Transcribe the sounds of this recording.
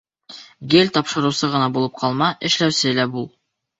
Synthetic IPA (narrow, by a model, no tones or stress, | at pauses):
ɡelʲt̪ɑpʃɤ̆ɾɤ̆wsɤʁɤ̆nɑbulˠɤp̚qʰɑlˠmɑʔɘ̆ʃlæwsɘlæbulˠ